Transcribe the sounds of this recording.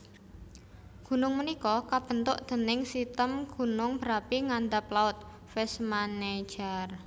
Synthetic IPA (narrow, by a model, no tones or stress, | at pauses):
ɡ̥ṳnʊŋmənikɔkab̥ə̤nt̪ʊʔd̪̥ə̤nɪŋsit̪əmɡ̥ṳnʊŋbəɾapiŋand̪aplaʊt̪̚ | fɛsmane̥d͡ʒər